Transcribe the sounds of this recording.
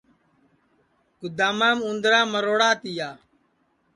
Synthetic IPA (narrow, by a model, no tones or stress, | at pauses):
kʊd̪aːmaːmũnd̪ɾãːməɾoːɽaːt̪ɪjaː